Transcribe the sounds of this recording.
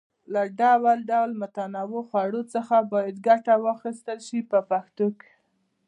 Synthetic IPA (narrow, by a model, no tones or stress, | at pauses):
laɖawalɖawlmʊt̪anɑwoxwaɽot͡səxabɑjad̪ɡaʈawaxist̪əlʃipəpaxt̪oke̥